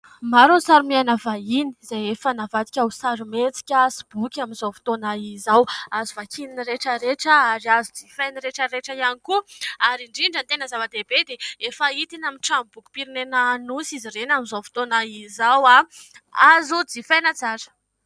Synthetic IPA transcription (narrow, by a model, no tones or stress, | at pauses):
maɾunsaɾumianavaini̥zajefənavat̪i̥kʲawsaɾumet͡si̥kʲasib̥ukʲaminzowfi̥t̪onaizawazuvakʰininiɾeʈ͡ʂəɾeʈ͡ʂəaɾiazud͡zifajniɾeʈ͡ʂəɾeʈ͡ʂəjanikuaɾiɳɖ͡ʐiɳɖ͡ʐənt̪enəzavəd̪ebed̪eefəit̪inamiʈ͡ʂambuku̥piɾinenanusiziɾenaminzovi̥t̪onaizawaazud͡zifajnət͡saɾə̥